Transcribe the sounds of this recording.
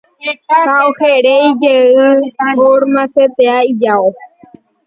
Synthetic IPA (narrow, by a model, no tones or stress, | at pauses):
kaoheɾejd͡ʒeɨoɾmãset̪eaid͡ʒao